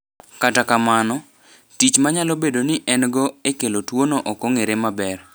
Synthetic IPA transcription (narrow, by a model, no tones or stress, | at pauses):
katakamanɔ | tit͡ʃmaɲalobedonɪʔɛnɡɔekelotwonoʔɔkɔŋeɾemabɛr